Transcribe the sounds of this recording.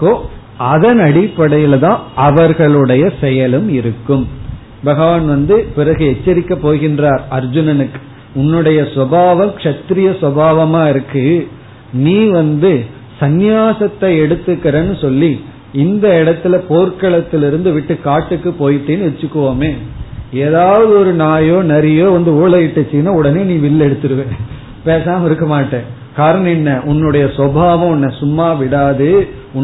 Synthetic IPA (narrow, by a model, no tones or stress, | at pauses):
koː | ɐðɐnɐɽɪpːɐɽɐjɪlðãːʔɐʋɐɾɣɐɭɯɽɐjɐsɛjɐlɯmɪɾɯkːɯm | bɐɣɐʋaːnʋɐnd̪ɯpɪɾɐɣɯɛt͡ʃːɐɾɪkːɐpːoːɣɪndraːɾɐɾd͡ʒɯnɐnɯkː | ʊnːɯɽɐjɐsʋɐbaːʋɐmkʂɐt̪ɪɾɪjɐsʋɐbaːʋɐmaːɪɾɯkːɯ | niːʋɐnd̪ɯ | sɐnjaːsɐt̪ːɐɪɛɽɯt̪ːɯkːɐɾɐnːɯsɔlːi | ɪnd̪ɐɪɽɐt̪ːɪlɐpoːɾkɐɭɐt̪ːɪlɪɾɯnd̪ɯʋɪʈːɯkaːʈːɯkːɯpoːjɪʈːeːnɯʋɛt͡ʃːɯkːɯʋoːmeːeːðaːʋɐðɯɔɾɯnaːjoːnɛɾɪjoːʋɐnd̪ɯuːɭɐjɪʈːɐt͡ʃːinaːʊɽɐneːnĩːʋɪlːɛɽɯt̪ːɯɾɯʋẽː | peːsaːmɪɾɯkːɐmaːʈːẽː | kaːɾɐɳɐ̃ɛnːɐʔʊnːɯɽɐjɐsʋɔbʱaːʋɐ̃ɔnːɐsʊmːaːʋɪɽaːðɯ | ʊ